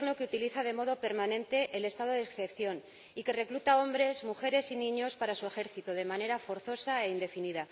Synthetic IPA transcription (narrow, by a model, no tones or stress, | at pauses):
ɣnokeut̪iliθað̞e̞mo̞ð̞o̞pe̞ɾmãnẽ̞nt̪e̞ʔːle̞st̪að̞o̞ðekθe̞pθjo̞n | ike̞re̞klut̪ao̞mbɾe̞zmuxe̞ɾe̞sinĩɲo̞spaɾasue̞xe̞ɾθit̪uðe̞mãne̞ɾafo̞ɾθo̞sae̞ind̪e̞finiða